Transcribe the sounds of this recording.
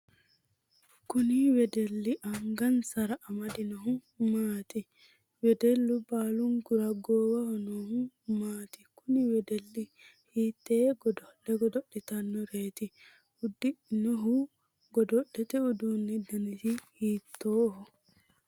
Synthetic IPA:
kuniwɛdɛlːiʔaŋɡɐnsɐɾaʔːmɐd̪inɔɦʊ | maːt̪i | wɛdɛlːubaːluŋɡuɾɐɡɔːwahɔnɔhu | maːt̪ikuniwɛdɛlːihiːt̪ːeːɡɔdɔlɛɡɔd̪ɔɗːɛt̪ɐnːɔɾeːt̪i | ud̪ːiʔnɔɦu | ɡɔd̪ɔɗɛt̪ɛud̪unːid̪ɐnisihiːt̪ːoːhɔ

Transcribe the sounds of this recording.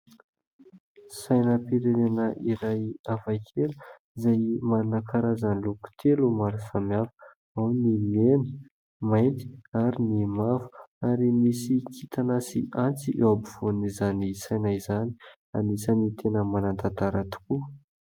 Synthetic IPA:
sajnəpiɾenenəʔiɾajavakʰelu | izajmanakʰaɾazanluku̥t̪ʰelumaɾusamiafə̥ | awnimenə̥ | majnt̪i̥aɾinimafu̥aɾimisikʰit̪ʰanasiʔant͡siʔewabiv̥onizanisajnaizani̥ | anisənit̪ʰenəmanant̪at̪aɾat̪u̥ku

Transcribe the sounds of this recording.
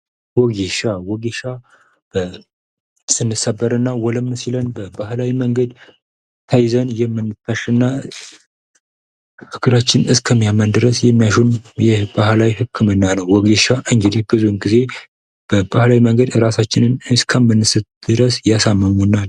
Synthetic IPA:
wɔɡeʃawɔɡeʃa | b̥ə | sɨnːɨsəbːəɾɨnːawɔləmnsilənbəbaɦlawiməŋɡəd̪ | t̪ʰajzənjɛmːɨnːɨt̪ːaʃɨnːa | hɨɡɨɾat͡ʃːɪnɨskʰəmːijamːənd̪ɨɾəsjɛmːijaʃunjɛhbahlawihɨkʰːɨmɨnːanəwːɔɡeʃaʔɨŋɡɨd̪ihbɨzunɡize̞ | b̥əbahlawiməŋɡəd̪ɨɾasat͡ʃːɪnɨnɨskʰəmːɨnːɨsɨt̪d̪̥ɨɾəsjasamːəmunːa

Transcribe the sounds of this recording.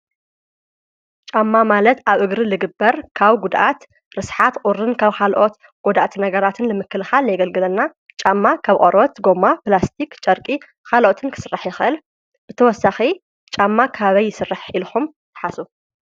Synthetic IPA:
t͡ʃʼamːamalɐt̪aβʔɨɡɾɨlɨɡɨbːɐɾkʰaβɡud̪ʔat̪ | ɾɨsħat̪qʼʊɾɨnkʰaβkʰalʔot̪ | ɡ̥od̪at̪ʰnɐɡɐɾat̪ʰɨnlɨmɨkːɨlxaljɡɐlɡɨlɐnːa | t͡ʃʼamːakʰaβqʼoɾot̪ɡo̞maplast̪ʰikt͡ʃʼɐɾkʼi | kʰalʔot̪ʰɨnkʰɨ̥sɨrːaħjɪxɨʔɨl | b̥ɨt̪ʰɐwɔsːaxi | t͡ʃʼamːakʰaβɐjːɪsɨrːaħilxum | t̪ʰɨ̥ħasu

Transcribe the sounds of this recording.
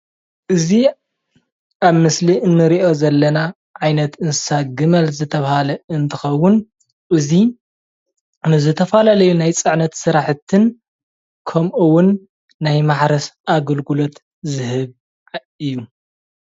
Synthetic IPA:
ʔɨzi | ʔaβmɨsliʔɨnːɨɾiʔo̞zɐlːɐna | ʕajnɐt̪ɨnsaɡɨmɐlzɨt̪ʰɐβahalɐɨnt̪ʰɨxɐwːʊn | ʔɨzi | nɨzɨt̪ʰɐfalalɐjunajt͡sʼɨʕnɐt̪sɨɾaħt̪ʰɨn | kʰɐmʔuwʊnː | ajmaħɾɐsʔaɡɐlɡulo̞t̪ | zɨhɨβ | ɨjːu

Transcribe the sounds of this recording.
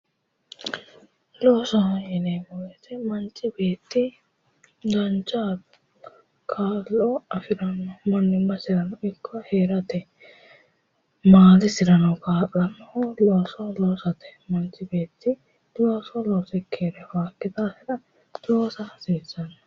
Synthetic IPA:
loːsɔjɛnemɔɡɛt̪ɛmɐnt͡ʃʼːɪbeːt̪ːɪ | ɡɐnt͡ʃaːd̪ | kʰaːlːɔɐfɪɾɐnːɔmɐnːɪmːɐsɪɾɐnɐwɪkʰːɔheːɾɐt̪ɛ | maːlɪsɪɾɐnɐwkaːlʼɐnːɐʊloːsɔloːsɐt̪ɛ̥mɐnt͡ʃʼːɪbe̞ːt̪ːɪ | loːsɔloːsɛkʰeːɾɛwaːkːɪt̪aːsɪɾɐ | t̪oːsɐsiːsːɐnːɐ

